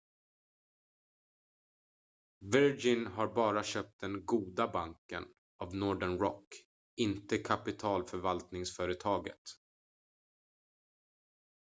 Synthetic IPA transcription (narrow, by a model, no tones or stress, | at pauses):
vœɾd͡ʒɪnɦaɾbɑːɾaɕœːp̚t̪̚d̪ɛnɡuːd̪abaŋkə̰n | avnɔɖəɳɾɔ̰kː | ɪnt̪əkʰapɪt̪ʰɑːlfœɾvalt̪nɪŋsfœːɾət̪ʰɑːɡə̰t̪